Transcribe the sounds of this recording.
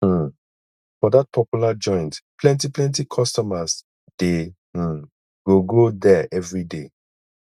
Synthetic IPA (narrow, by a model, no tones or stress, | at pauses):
fɔdat̚pʰɔpjulad͡ʒɔ̃ɪ̃ntpʰlɛ̃ntiplɛ̃ntikʰɔstɔmas | d̥e | ɡ̥oɡodɛʔɛvɹide